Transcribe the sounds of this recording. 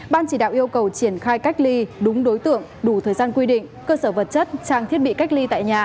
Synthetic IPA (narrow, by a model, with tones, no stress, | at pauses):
ɓaː˧nt͡ɕi˧˩ɗa̰ː˧˨wʔi˧əwkə˨˩wt͡ɕi˧˩ənxaː˧jka˦˥k̟̚li˧ɗʊ˨˦ŋ͡mɗo˨˦jt̪ɨ̰˧˨əŋɗu˧˩t̪ʰəː˨˩jzaː˧nkwi˧ɗḭ̈˧˨ŋkəː˧səː˧˩və˨˩t̚t͡ɕə˦˥t̚t͡ɕaː˧ŋt̪ʰi˦˥ət̚ɓḭ˧˨ka˦˥k̚li˧t̪a̰ː˧˨jɲaː˨˩